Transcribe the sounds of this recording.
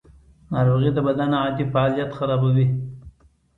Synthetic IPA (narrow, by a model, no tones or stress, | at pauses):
nɑɾoɣid̪əbad̪anɑd̪ifaɑlijat̪xaɾɑbawi